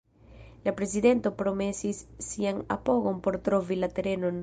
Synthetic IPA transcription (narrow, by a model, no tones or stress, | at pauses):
lapɾe̞zide̞nto̞pɾo̞me̞sisːiana̰po̞ɡo̞npo̞ɾtɾo̞vilate̞ɾe̞no̞n